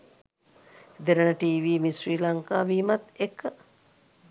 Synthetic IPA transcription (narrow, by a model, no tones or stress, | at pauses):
d̪eɾənəʈiːʋiːmisɾiːlaŋkaːʋiːmat̪ekːə